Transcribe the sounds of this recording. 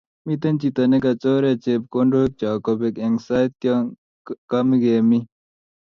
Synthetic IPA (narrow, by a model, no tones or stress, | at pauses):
mit̪ɐnt͡ɕit̪ɐnekɐt͡soːɾet͡ɕep̚koɳɖoːk̚t͡ɕaːkobekeŋsaːjt̪̚k | kɐmiɡeːmi